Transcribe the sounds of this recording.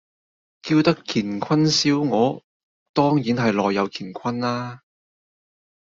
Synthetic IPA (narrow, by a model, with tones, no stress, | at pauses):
kiː˧wt̪ɐ˥kʰiː˨˩nkʰɐ˥nsiː˥wŋɔː˨˧˥ | t̪ɔː˥ŋjiː˨˥nɦɐ˨jlɔː˨jːɐ˨˧wkʰiː˨˩nkʷʰɐ˥nlaː˥